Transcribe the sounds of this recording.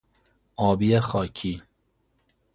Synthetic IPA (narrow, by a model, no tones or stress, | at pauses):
ɒːbiexɒːcʰi